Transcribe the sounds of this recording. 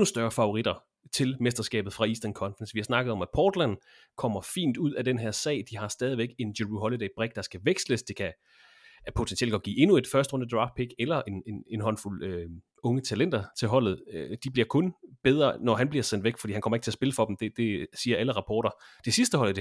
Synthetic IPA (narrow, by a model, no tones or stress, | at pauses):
nusd̥ɶɐfɑ̈o̝ʁid̥ɐ | t͡sʰe̝lmesd̥ɐsɡ̥ɛ̰ːb̥ð̩ˠfʁɑ̈isd̥ɐnkʰɒ̽nfɑnsʋihɑ̈snɑ̈ɡ̥ð̩ˠɒ̽mæpʰɒːd̥læn | kʰɒ̽m̰ɐfḭːnd̥uð̞̰ˠæd̥enɦeɐsɛ̰ɪd̥iɦɑ̈sd̥ɛːð̞ˠiʋeɡ̥e̝ndeʁuɦɒlid̥eɪb̥ʁɛɡ̥̚d̥ɑ̈sɡ̥æʋeɡ̥sləsd̥e̝kʰæ | pʰo̝t͡sʰensʰielɡ̥ɒ̽d̚ɡ̥ḭːe̝nue̝d̥fɶɐsd̥ʁɔ̽nd̥əd̥ʁɑ̈fd̥̚pʰiɡ̥elɐʔe̝ne̝ne̝nɦɒ̽nful̰ø | ɔ̽ŋət͡sʰælen̰d̥ɐt͡sʰe̝lɦɒ̽l̰ð̞̩ˠød̥ib̥liɐ̰kʰɔ̽nb̥eð̞ˠʁɐnɒɦænb̥liɐsen̰d̥ʋeɡ̥fɒ̽d̥ḭːhænkɒ̽mɐeɡ̥t͡sʰe̝ɐsb̥e̝ləfɒ̽d̥m̩d̥ed̥e̝siːɐæləʁɑ̈pʰɒ̰ːɾ̥ɐd̥e̝sisd̥əɦɒl̰̩d